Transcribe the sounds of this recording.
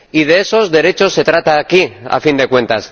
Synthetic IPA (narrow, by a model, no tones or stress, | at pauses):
ið̞e̞eso̞zðe̞ɾe̞t͡ʃo̞sːe̞t̪ɾat̪aːkia̰find̪e̞kwẽ̞nt̪as